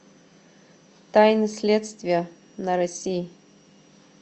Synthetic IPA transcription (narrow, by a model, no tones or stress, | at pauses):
t̪ajnɨsʲlʲet̪st̪vʲɪjə | nəɾɐsʲij